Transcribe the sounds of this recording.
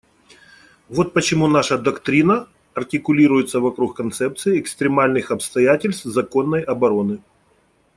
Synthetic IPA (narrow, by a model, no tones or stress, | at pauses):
vo̞t̪̚pət͡ɕɪmunaʂəd̪ɐkt̪ɾʲinə | ɐrtʲɪkʊlʲiɾʊjɪt̪səvɐkɾuxkːɐnt̪sɛp̚t̪sɨɪɛkst̪ɾʲɪmalʲnɨxɐpst̪ɐjætʲɪlʲst̪fzɐko̞nːəjɐbɐɾo̞nɨ